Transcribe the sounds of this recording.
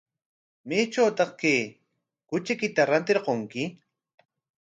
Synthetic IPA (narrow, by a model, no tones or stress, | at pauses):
meːʈ͡ʂawt̪ɑχkeː | kʊt͡ʃɪkɪt̪aɾant̪ɪɾqoŋkɪ